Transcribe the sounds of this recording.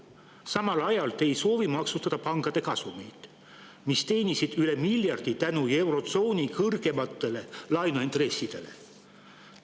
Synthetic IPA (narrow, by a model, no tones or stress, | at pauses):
sɑmɑlɑjɑlt̪e̞jso̞ːvimɑksut̪ɑd̪̥ɑpɑŋkɑd̪e̞kɑsumejt̪ | mist̪e̞ːnisid̪̥yle̞milʲjɑrd̪̥it̪ænue̞wɾo̞t̪so̞ːnʲikɤrɡ̥e̞mɑt̪ːˑe̞le̞lɑjnuint̪re̞sʲːid̪̥e̞le̞̰